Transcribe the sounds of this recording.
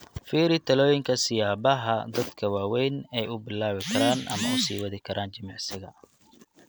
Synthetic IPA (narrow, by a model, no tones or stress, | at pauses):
fiːɾɪt̪ʰɐlɔːjɪŋkʰɐsɪjaːbɐɦɐd̪ɐd̪kʰɐwaːwɛjnɛjʊbɪlaːβɪkʰɐɾaːnʔɐ̰mɐʊsiːwɐðɪkʰɐɾʔaːnt͡ʃɐmɑʕsɪɣɐ